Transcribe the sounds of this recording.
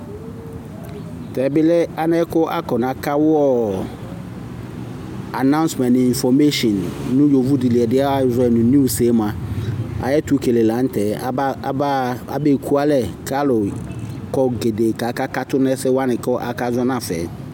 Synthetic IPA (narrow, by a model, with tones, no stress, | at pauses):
tɛ˨bɪ˦lɛ˦a˦nɛ˦kʊ˦ʔa̰˦kɔ˨nã˨ka˦wʊ˦ɔ˦ | a˨nã˦ʊ̃˦nsmɛ̃˨n˨ĩ˨nfɔ˨me˦ʃɔ˨nːʊ̃˦jo˨vu˦di˨li˨ɛ˨dɪ˦a˦a˦vɛ˨nʊ̃˨nu˦˨se˨˦mã˨a̰˨jɛ˦tu˦ke˨le˨la˨˦n̩˦tʰɛ˨˦a̰˨˦be˨kʰu˦a˦lɛ˨kʰa˦lʊ˨ | kɔ˨ɡe˨de˨ka˨˦ka˦ka˦tʊ˦nɛ˦sɪ˦wa˦nɪ̃˨kɔ˦ʔa̰˨ka˦zɔ˦nã˦˨fɛ̰˨˦